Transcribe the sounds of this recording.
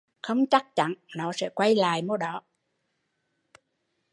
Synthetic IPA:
xə˧wŋ͡mt͡ɕa˦˥k̚t͡ɕa̰˧˥nnɔ˨˦sɛ̰˧˥kwa˧jla̰ː˨jmo˧ɗɔ˨˦

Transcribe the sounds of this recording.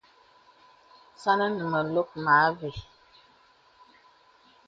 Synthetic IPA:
sa˦nə˦nə˨mə˨lo˦k̚ma˨˦ve˨

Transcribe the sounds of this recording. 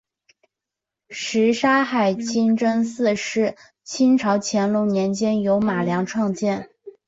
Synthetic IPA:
ʂɻ̩˧˥ʂa˥xa˨˩ɪt͡ɕʰi˥nʈ͡ʂə˥nsɹ̩˥˧ʂɻ̩˥˩ | t͡ɕʰi˥nʈ͡ʂʰɑ˧˥ʊt͡ɕʰjɛ˧˥nlʊ˧˥ŋnjɛ˧˥nt͡ɕjɛ˥njo˧˥ʊma˨˩ljɑ˧˥ŋʈ͡ʂʰwɑ˥˧ŋt͡ɕjɛ˥˩n

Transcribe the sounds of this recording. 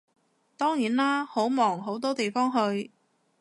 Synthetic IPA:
t̪ɔː˥ŋjiː˨˩nlaː˥ho˨˥wmɔː˨˩ŋɦo˨˥wt̪ɔː˥t̪e˨jfɔː˥ŋɦɵ˧ɥ

